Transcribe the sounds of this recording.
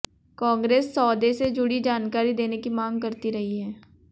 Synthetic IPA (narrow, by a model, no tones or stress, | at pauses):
kãːŋɡɾeːsːɔːd̪esed͡ʒʊɽid͡ʒaːnkaːɾid̪eːnekimãːŋɡkɐɾt̪iɾɐɦiɦɛː